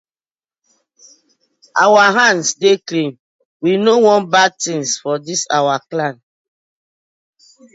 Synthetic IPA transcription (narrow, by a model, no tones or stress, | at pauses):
ʔawaɦãnsdeklĩm | winowɔ̃nbad̚tĩnsfɔdisawaklãn